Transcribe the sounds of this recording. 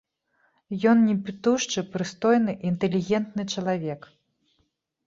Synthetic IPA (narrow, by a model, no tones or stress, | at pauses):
jɔnnʲɛpʲit̪uʂt͡ʂɨpɾɨst̪ɔjnɨʔint̪ɛlʲːiɣʲɛnt̪nɨt͡ʂɐlˠavʲɛk